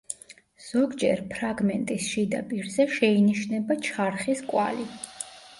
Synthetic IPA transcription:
z̥ɔɡd͡ʒɛ̰ɾpʰɾaɡmɛnt̪ʼisʃid̪a̰pʼiɾzɛʃɛiniʃnɛbat͡ʃʰaɾχiskʼwa̰li

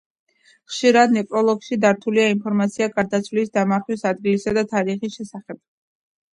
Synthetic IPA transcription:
χʃiɾad̪nɛpʼɾɔlˠɔɡʃid̪aɾt̪ʰuliainpʰɔɾmat̪sʰiaɡaɾd̪at̪sʰvlisd̪amaɾχwisad̪ɡilisad̪at̪ʰaɾiχisʃɛsaχɛb̥̚

